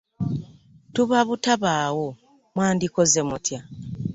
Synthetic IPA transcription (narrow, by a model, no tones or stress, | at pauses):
tuβaβutaβaːwo | mwaːndiko̞ze̞mutja